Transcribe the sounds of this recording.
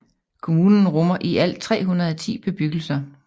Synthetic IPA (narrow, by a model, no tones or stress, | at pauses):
kʰo̝muːnn̩ʁɔmɐʔiʔæl̰t͡sʰʁɛ̰ːɦunɐðˠæt͡sʰḭːb̥e̝b̥yɡ̥l̩sɐ